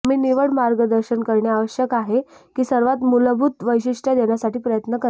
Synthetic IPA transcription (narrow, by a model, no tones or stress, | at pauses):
m̤iːniʋəɽmaɾɡəd̪əɾɕənkəɾɳjaaʋəɕjəkaɦekiːsəɾʋat̪muləbʱuːt̪ʋəjɕiʂʈʰjad̪eɳjasaʈiːpɾəjət̪nəkə